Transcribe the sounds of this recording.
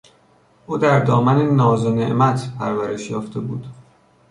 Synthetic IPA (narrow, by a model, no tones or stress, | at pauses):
ʔuːd̪æɾd̪ɒːmænenɒːzonḛʔmæt̪ʰpʰæɾvæɾe̞ʃjɒːft̪ʰe̞bṵːd̪̥